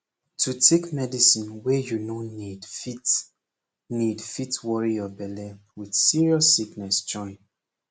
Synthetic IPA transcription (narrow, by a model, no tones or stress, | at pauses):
tʰutʰekmɛdisĩnwɛjunonidfit | nidfitwɔɹijɔbɛlɛ | wid̥siɹiɔsːiknɛsd͡ʒɔ̃ɪ̃n